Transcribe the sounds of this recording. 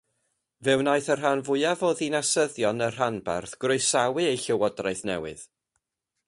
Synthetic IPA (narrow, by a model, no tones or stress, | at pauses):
vɛwnajθər̥ɦanvʊɨavɔðinasəðjɔnər̥anba̰rθɡ̥rʊɨsawɨejɬɛwɔdrajθnɛ̰wɨ̰ð